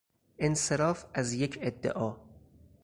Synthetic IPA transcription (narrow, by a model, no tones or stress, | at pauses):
ʔenseɾɒːfæzjecʰed̪ːḛʔɒː